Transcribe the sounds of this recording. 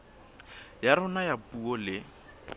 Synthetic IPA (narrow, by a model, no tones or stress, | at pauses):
jaɾʊnajapʼuɔlɪ